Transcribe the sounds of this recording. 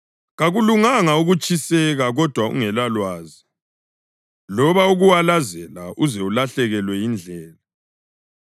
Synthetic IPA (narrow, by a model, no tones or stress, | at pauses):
ɣaɣuluŋaŋauɣut͡ʃʼisɛɣaɣɔd̥ʱwaṵŋɛlalwaːzi | lɔβauɣuwalazɛlaʔuzɛulaɬɛɣɛlwɛjind͡ɮʱɛːla